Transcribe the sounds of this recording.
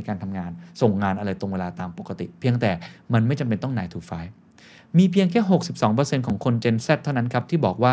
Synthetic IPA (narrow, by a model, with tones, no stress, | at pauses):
jkaː˧nt̪ʰa˧mŋaː˧nso˨˩ŋːaː˧nʔa˧ɾa˧jt̪o˧ŋweː˧laː˧t̪aː˧mpo˨˩kːa˧t̪ḭ˨˩pʰi˧əŋt̪ɛː˨˩ma˧nma˥˩jt͡ɕa˧mp̬e˧nt̪ɔ˥˩ŋnaː˧jt̪ʰuː˨˩k̚faː˦˥j | miː˧pʰi˧əŋkʰɛː˥˩ɦo˨˩k̚si˨˩p̚sɔː˩˦ŋpɤː˧se˧nkʰɔː˩˦ŋkʰo˧nt͡ɕe˧nsɛ˥˩t̪ʰːa˥˩wna˦˥nkʰa˦˥p̚t̪ʰiː˥˩bɔː˨˩k̚waː˥˩